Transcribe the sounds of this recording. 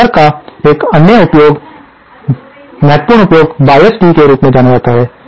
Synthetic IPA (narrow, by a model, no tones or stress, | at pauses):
əɾkaeːkɐnjəʊpjoːɡ | mɛɦət̪puːɾɳ̃ʊpjoːɡbaːjesʈikeɾuːpmẽd͡ʒaːnad͡ʒaːt̪aɦɛː